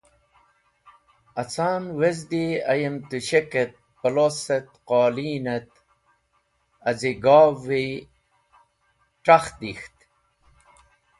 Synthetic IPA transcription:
ɐt͡saːnwezd̪iɐ̰jemt̪uɕeket̪̚pɐloset̪qaːliːnet̪ | ɐziɡaːvi | ʈ͡ʂaxd̪ixt̪

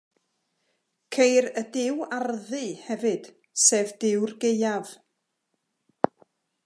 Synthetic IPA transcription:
kʰejɾədɪwarðɨhɛvɨd̥ | seːvdɪwrɡejav̥

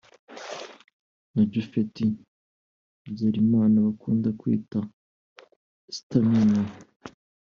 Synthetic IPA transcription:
naɟufeti | bɟeɾimaːnaβakuːndakwḭːta | si̥tamina

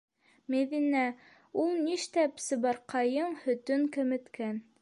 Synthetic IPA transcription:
meðinæ | ulˠniʃt̪æpsɤ̆bɑɾqʰɑjɤɴhɵ̆t̪ɵŋkɘ̆mɘ̆t̪kæn

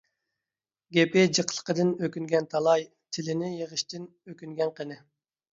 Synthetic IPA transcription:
ɡʲepɪd͡ʒəqʰə̥lˠqəd̪ɨnøkʲyŋɡʲɛnt̪ʰɑlˠɑj | t̪ʰɪlɪnɪjeʁəʃt̪ʰɪn | økʲyŋɡʲɛnqʰənɨ

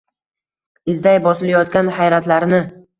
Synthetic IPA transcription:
ɪzd̪ajbɒsɪlajɒt̪̚kʲanhajɾat̪laɾnɪ

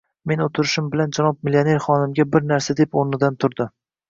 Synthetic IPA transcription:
me̞not̪ʰɪɾɪʃɪmbɪland͡ʒanɒb̚milione̞ɾχɒnɪmɡʲabɪɾnaɾsad̪e̞poɾnɪd̪ant̪ʰʊɾd̪ɪ

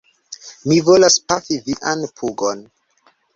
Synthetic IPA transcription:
mivolaspafiviʔanpʰuɡon

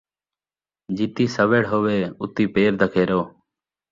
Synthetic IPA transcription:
d͡ʒiːt̪iːsəʋeːɽɦoːʋeːʊt̪iːpeːɾd̪ʱəkʰeːɾoː

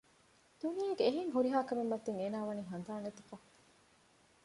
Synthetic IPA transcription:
d̪̥unijɐɡeːɦeŋɦuɾiɦaːkɐmemːɐt̪ːeŋeːnaːʋɐniːɦɐnd̪aːnet̪ukɐ

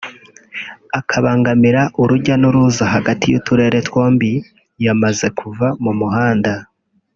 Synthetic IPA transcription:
akʰaβaːŋɡamiɾaʔuɾuɟanuɾuzaɦaɡatʰijṵtuɾe̞ɾe̞two̞ːmbi | jamaze̞kʰuvamumuɦaːnda

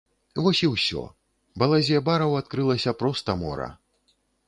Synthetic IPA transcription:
vɔsʲiwsʲɔ̰ | bɐlˠazʲɛbaɾɐwat̪kɾɨlˠɐsʲɐpɾɔst̪ɐmɔ̰ɾɐ̰

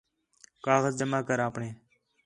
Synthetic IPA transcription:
kaːɣəzd͡ʒəmaːkəɾaːpɳeː

